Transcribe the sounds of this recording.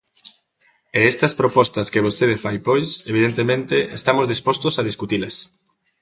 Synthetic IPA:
eest̪ɐspɾopɔst̪ɐskeβ̞ost̪eðɪfajpojseβ̞iðent̪emẽnt̪eest̪amozðispɔst̪osaðiskut̪ilɐs

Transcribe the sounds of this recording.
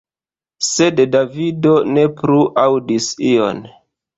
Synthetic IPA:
se̞ddavido̞ne̞pɾuʔawdisio̰n

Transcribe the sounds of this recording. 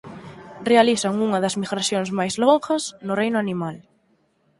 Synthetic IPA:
realiθɐŋuŋɐðɐzmiɣɾaθjoŋsmajzloŋxɐsnʊrejnʊanimal

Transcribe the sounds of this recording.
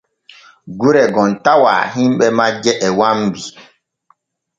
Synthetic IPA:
ɡuɾɛɡɔntawa̰ːɦĩmɓɛmad͡ʒɛʔɛwambi

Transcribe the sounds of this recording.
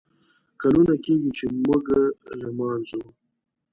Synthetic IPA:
kalunakeɡit͡ʃemuɡɾamɑːnzu

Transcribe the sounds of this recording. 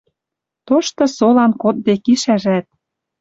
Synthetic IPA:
t̪oʃt̪ɤ̆solɑnkot̪̚bekiʃæʒæt̪̚

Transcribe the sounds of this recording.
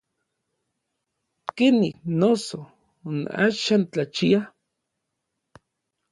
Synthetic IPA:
kenihnoso | ona̰ʃant͡ɬat͡ʃia

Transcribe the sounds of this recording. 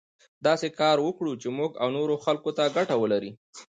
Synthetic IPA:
d̪ɑsekɑɾwəkɽut͡ʃemuɡa̰wnoɾoxalkot̪aɡaʈawəlaɾi

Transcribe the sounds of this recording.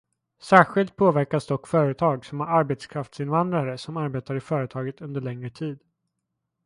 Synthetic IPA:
sæːɧɪlt̪̚pʰoːvæɾkasd̪ɔkːfœːɾət̪ʰɑːɡsɔmæɾaɾbet̪skʰɾaft̪sɪnvand̪ɾaɾəsɔmaɾbeːt̪aɾɪfœːɾət̪ʰɑːɡət̪ɵnd̪əɭɛŋɾət̪ʰiːd̪

